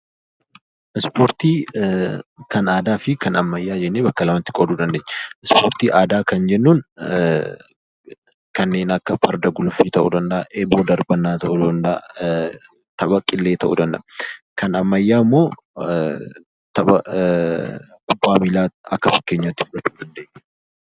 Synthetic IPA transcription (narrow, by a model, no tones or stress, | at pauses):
ʔɪspoːɾt̪iː | kɐnaːd̪aːfɪkɐnɐmːɐjːaːd͡ʒɛnːeːbɐkːɐlɐmɐnt̪ɪ̥kʼɔd̪uːd̪ɐnd̪eːɲːɐɪspoːɾt̪iːʔaːd̪aːkɐnd͡ʒɛnːuːn | kɐnːe̞ːnɐkːɐfɐɾd̪ɐɡʊlʊfiːt̪ɐʔṵd̪ɐnd̪ɐʔaʔeːboːd̪ɐɾbɐnːaːt̪ɐʔud̪ɐnd̪ɐʔ | t̪ɐbɐkʼːɪlːe̞ːt̪ɐʔṵːd̪ɐnd̪ɐ̰bɐ | kɐnɐmːɐjːaːɪmːo̞ː | t̪ɐbɐ̰ | kʊbːaːmilaːɐkːɐfɐkːeːɲːaːt̪ːɪ̥fʊᶑɐt͡ʃːuːd̪ɐnd̪e̞ːɲː